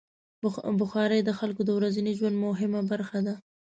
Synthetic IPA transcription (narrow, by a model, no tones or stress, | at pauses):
bʊxɑɾəjd̪əxalkod̪əwɾazaniʒwand̪mʊɦɪmabaɾxad̪a